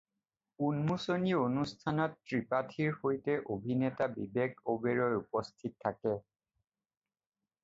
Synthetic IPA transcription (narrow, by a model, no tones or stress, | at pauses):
unmusonionustʰanɔtːɹipatʰiɹhojtɛʔobʱinɛtabibeɡobeɹɔjupɔstʰitʰːakɛ